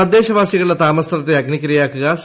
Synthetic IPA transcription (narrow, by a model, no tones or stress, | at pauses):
ɐd̪ːeːɕɐʋaːsjiɣɐɭilet̪aːmɐst̪rɐt̪ːeɐɡnikʲːɐɾɐjaːkːuɣɐs